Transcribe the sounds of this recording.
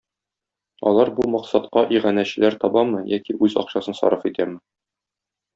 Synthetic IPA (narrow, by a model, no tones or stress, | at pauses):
ɒ̰lˠɑɾbumɒqsɑt̪qɑʔiʁænæɕɘ̆læɾt̪ɒbɑmɤjækiʔʉzɒ̰qɕɑsɤnsɒ̰ɾɤfit̪æmɘ